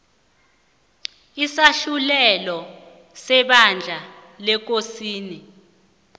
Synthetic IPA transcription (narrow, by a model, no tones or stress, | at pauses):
isaɬulɛlɔ | sɛɓand͡ɮʱalɛk̬osiːni